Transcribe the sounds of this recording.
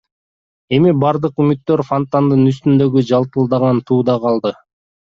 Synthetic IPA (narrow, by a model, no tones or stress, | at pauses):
e̞mibɑɾd̪ɯqymyt̪ːø̞ɾfont̪and̪ɯnyst̪ynd̪ø̞ɡyd͡ʒɑlˠt̪ɯlˠd̪ɑʁɑnt̪ʰuːd̪ɑqɑlˠd̪ɯ